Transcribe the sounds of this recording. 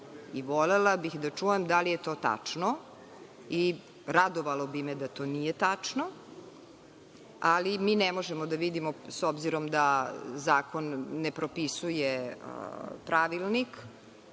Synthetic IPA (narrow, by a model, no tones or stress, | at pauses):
iʋolelabixd̪at͡ʂuːjemd̪alijet̪oːt̪a̰t͡ʂno | i | ɾad̪oʋalˠobimed̪at̪o̞ːnijet̪at͡ʂno | alimiːnɛmo̞ʒemod̪aʋid̪imosobziɾomd̪azaːko̞nːepɾo̞pisujḛ | pɾaʋilˠnik